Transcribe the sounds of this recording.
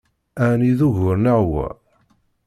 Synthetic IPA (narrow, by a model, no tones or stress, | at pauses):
æniðuʝʊɾnaʕwə̰